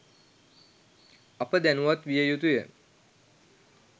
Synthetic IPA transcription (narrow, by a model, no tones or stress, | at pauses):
apəd̪ænuʋat̪ʋijəjut̪ujə̰